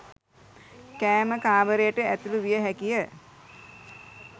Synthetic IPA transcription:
kæːməkaːʋəɾejəʈəæt̪uluʋijəɦækijə

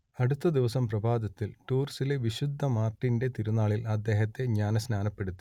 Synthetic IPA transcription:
ɐɽut̪ːɐd̪iʋɐsɐmprɐbʱaːd̪ɐt̪ːilʈuːrsile̞ʋiɕud̪ʱːɐmaːrʈːinde̞t̪iɾunaːɭilɐd̪ːe̞ːɦɐt̪ːe̞ɲaːnɐsnaːnɐpːe̞ɽut̪ːi̥

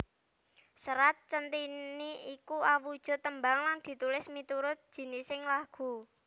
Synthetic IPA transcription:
səɾat̪̚t͡ʃənt̪iniikuawud̥ʒ̥ɔ̤t̪əmbaŋlaŋd̪̥i̤t̪ulɪsmit̪uɾʊt̪̚d̥ʒ̥i̤nisɪŋlaɡ̥ṳ

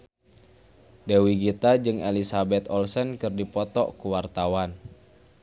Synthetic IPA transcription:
dewiɡit̪ad͡ʒɨŋelisabɛt̪ɔlsənkɨrdipɔt̪ɔ̰kuwart̪awan

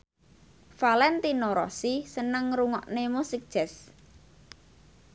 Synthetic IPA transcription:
falɛnt̪inoɾɔ̰sisənəŋɾuŋɔʔnemusik̚d̥ʒ̥ɛs

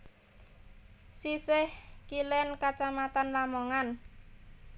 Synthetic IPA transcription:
sisɪhkilɛnkat͡ʃamat̪anlamɔŋan

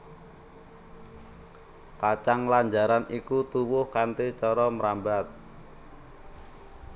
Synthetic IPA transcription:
kat͡ʃaŋlaɲd͡ʒaɾanikut̪uwʊhkant̪it͡ʃɔɾɔməɾambat̪̚

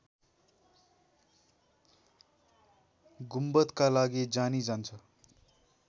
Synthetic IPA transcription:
ɡumbʌt̪kalaɡid͡zanid͡zant͡sʰʌ

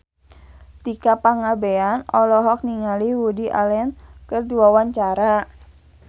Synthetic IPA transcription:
t̪ikapaŋabeanɔlɔɦɔk̚niŋaliwudiʔa̰lɛnkərduawaɲt͡ʃaɾa

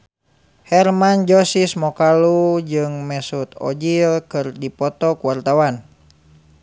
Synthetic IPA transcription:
hɛrmand͡ʒɔsismɔkalud͡ʒɨŋmɛsut̪ɔ̰d͡ʒilkɨrdipɔt̪ɔkuwart̪awan

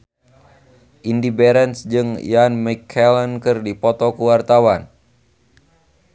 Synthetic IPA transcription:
ʔindibɛɾɛnsd͡ʒɨŋjanmɛkʰːɛlənkɨrdipɔt̪ɔkuwart̪awan

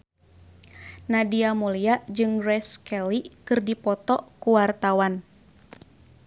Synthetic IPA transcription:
nadiamuliaʔd͡ʒɨŋrɛskɛlikɨrdipɔt̪ɔkuwart̪awan

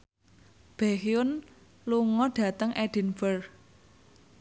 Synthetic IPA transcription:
b̥ɛ̤xijʊn | luŋɔɖ̥ä̤t̪əŋʔɛɖ̥i̤nfər

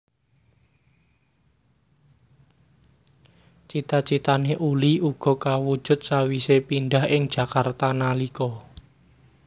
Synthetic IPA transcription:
t͡ʃit̪at͡ʃit̪aneʔuliuɡ̥ɔ̤kawud̥ʒ̥ʊ̤t̪̚sawisepinɖahɪŋd̥ʒ̥a̤kart̪analikɔ

